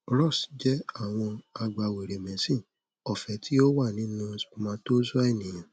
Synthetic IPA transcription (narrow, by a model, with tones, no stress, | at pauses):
ɾɔ˦˨sd͡ʒɛ˦a˦˨w̃ɔ̃˧a˧ɡ͡ba˧we˨ɾe˨mɛ̃˨˦sĩ˦˨ | ɔ˨fɛ˨˦tʰi˦o˦wa˦˨nĩ˨˦nũ˦˧smãː˨˦to˦zu˦a˦e˦˨nĩ˨j̃ã˨